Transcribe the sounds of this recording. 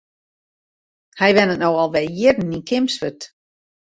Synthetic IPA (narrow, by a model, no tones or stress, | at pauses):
hɛjʋɛnənowɔlˠʋɛjɪdn̩ikʰɪmsfət